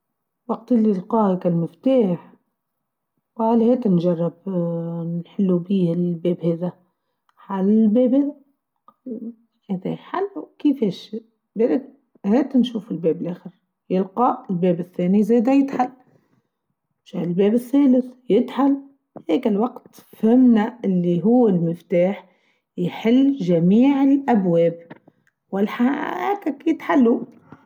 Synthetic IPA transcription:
wɑq̚t̪ɪlːilqɑːhakalmɪft̪aːħ | wqaːlheːt̪ɪnʒɑrˤːɑbnħɪlːubiːhɪlbeːbheːða | ħalɪlbeːbheː | heːd̪aħalːwkɪfeːʃ | beːɾɪk̚ | heːt̪nʃuːfɪlbeːbɪlʔeːxɪɾ | jɪlqɑʔɪlbeːbɪθːeːnizeːd̪ajɪt̪ħal | ʃaɪlbeːbɪθːæːlɪθjɪt̪ħal | heːkɪlwɑqt̪fhɪmnaʔɪlːiɦʊwːɪlmɪft̪aːħ | jħɪlːʒamiːʕɪlʔabweːb̚ | wɪlħahæːkakiːd̪ħalːu

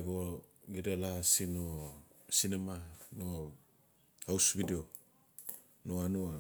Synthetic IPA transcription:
ɡoɡidalasinosinemano | hawsbidio | noanua

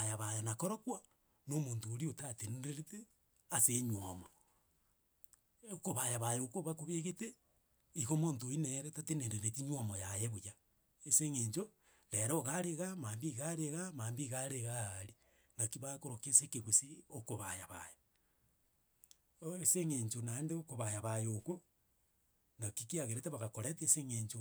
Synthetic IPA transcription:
ajaβajonakoɾokwa | nomoːntoːɾiotateneɾeɾete | aseɲwomo | okoβajaβajeokoβakoβeɣete | iɣomoːntoineɾetateneɾeɾetiɲwomojajeβoja | eseŋeɲd͡ʒo | ɾeɾooɣaɾeɣamaːmbiɣaɾeɣamaːmbiɣaɾeɣaɾi | nakiβakoɾokesekeɣwesiokoβajaβa̰jo | eseŋeɲt͡ʃonaendeokoβajaβajoko | nakikiaɣeɾeteβaɣakoɾeteseŋeɲt͡ʃo

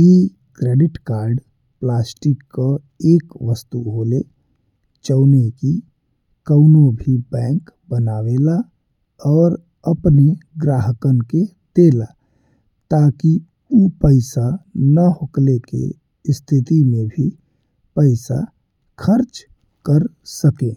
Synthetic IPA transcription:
i | kɾeɖɪʈkaɾɖ | plasʈikːə | eːkʋəst̪uɦole | t͡ʃəʊneki | kəʊnobʱibɛ̃ːŋkbənawela | ɔːɾ | əpneɡɾaɦəkənke | t̪ela̰ | t̪aki | upəɪsanəɦoklekḛ | st̪ʰit̪imẽbʱi | pəɪsa̰ | kʰəɾt͡ʃ | kəɾ | səkẽ

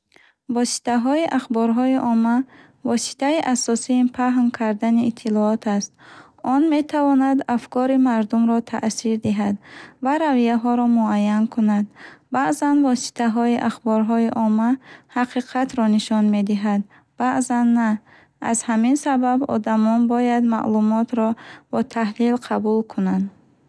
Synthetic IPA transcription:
vɔsi̥t̪aɦɔiʔaχbɔɾɦɔiʔɔmːa | vɔsi̥t̪ʰaiʔasɔsimpʰaɦnkʰaɾd̪aniːt̪ʰːilɔɔt̪ʰast̪̚ | ɔnme̞t̪ʰavɔnad̪afkʰɔɾimaɾd̪umɾɔt̪ʰa̰ʔsiɾd̪iɦad̪vaɾavijaɦɔɾɔmuajːankʰunad̪̚baʔzanvɔsi̥t̪ʰaɦɔiʔaχbɔɾɦɔiʔɔmahaqʰiqʰat̪ɾɔniʃɔnme̞d̪iɦad̪̚ | b̥aʔzanːa | a̰zhaminsababɔ̰d̪amɔnbɔjad̪ma̰ʔlumɔt̪ɾɔb̥ɔt̪ʰaɦlilqʰabulkʰunand̪

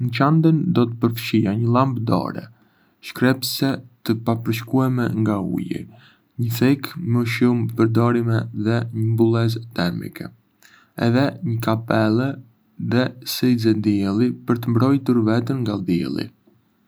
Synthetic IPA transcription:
nət͡ʃand̪ənd̪ɔt̪ə̥pəɾfə̥ʃijaɲəlˠambd̪ɔ̰ɾɛ̰ | ʃkɾɛpsɛt̪əpapəɾʃkuɛmɛ̰ŋɡaṵjḭ | ɲəθɛkməʃumpəɾd̪ɔɾimɛðɛɲəmbulˠɛzt̪ɛɾmḭkɛ̰ | ɛðɛɲəkapɛlɛ | ðɛsɛjzɛd̪iɛlˠipəɾt̪əmbɾɔjt̪uɾvɛt̪ənŋɡald̪iɛ̰lˠḭ

